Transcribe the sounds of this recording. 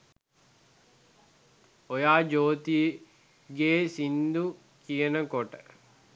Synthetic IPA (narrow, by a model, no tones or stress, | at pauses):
ojaːd͡ʒoːt̪i | ɡeːsind̪u | kijənəkoʈə